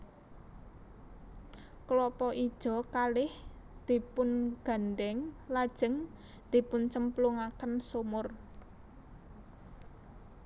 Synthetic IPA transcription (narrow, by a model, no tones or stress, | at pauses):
klɔpɔʔi̥ʒ̥ɔ̤kalɪh | d̪̥i̤pʊnɡ̥a̤nɖɛŋlad̥ʒ̥ə̤ŋ | d̪̥i̤pʊnt͡ʃəmpluŋakənsomʊr